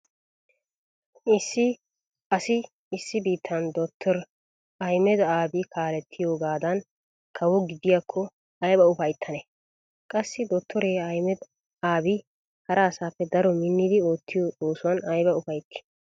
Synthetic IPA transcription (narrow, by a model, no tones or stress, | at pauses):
ɪsːɪ | ɐsɪ | ɪsːɪbiːt̪ʰːɐnd̪ɔt̪ʰːɔɾ | ɐjmɛd̪aːbɪkʰaːlɛt̪ʰːɪjo̞ːɡaːd̪ɐn | kʰɐwɔɡɪd̪ɪjakʰːɔ | ɐjbɐʊfɐjt̪ʰːɐnɛ | kʼɐsːɪd̪ɔt̪ʰːɔɾeɐjmɛd̪ | aːbɪ | hɐɾɐːsaːpːɛd̪ɐɾɔmɪnːɪd̪ɪo̞ːt̪ʰːɪjoːt͡sʼoːsʊwɐnɐjbɐʊfɐjt̪ːɪ̥